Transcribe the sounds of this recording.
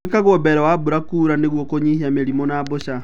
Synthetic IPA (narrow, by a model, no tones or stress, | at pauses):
kaɣobɛɾawabuɾakuːɾaneɣwɔkoɲihiameɾimɔnaːboʃa